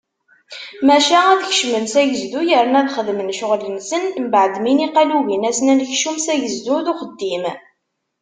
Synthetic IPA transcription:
mæʃææðçə̥ʃmənsæʝəzd̪ujəɾnæðχəðmənʃʊʁlənsənmbʕəd̪miniqæluʝinæsnænçʃumsæʝəzd̪uðʊχəd̪ːim

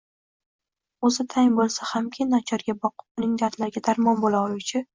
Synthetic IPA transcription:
ozɪt̪ʰajŋbolˠsahamkʲʰɪnat͡ʃʰɒɾɡʲabɒqʰɨ̥p̚ʊnɪŋd̪aɾt̪laɾɡʲad̪aɾmɒnbolˠaʊt͡ʃʰɪ

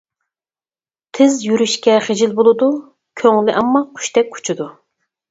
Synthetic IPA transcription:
t̪ʰɪzjyɾyʃkʲɛχed͡ʒilbolˠɨd̪u | kʲʰøŋlɪʔɑmːɑqʰy̥ʃt̪ɛk̚ʲʰːu̥t͡ʃʰid̪u

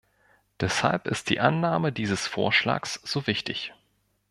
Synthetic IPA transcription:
d̥ɛsha̰lpɪ̰st̚d̥ḭːʔanːaːmədiːzəsfo̰ːɐʃla̰ːksz̥oːvɪçtɪç

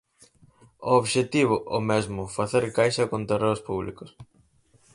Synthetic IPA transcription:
ooβʃet̪iβ̞ʊʔomezmʊfaθeɾkajʃɐkõnt̪ereɾospuβlḭkos

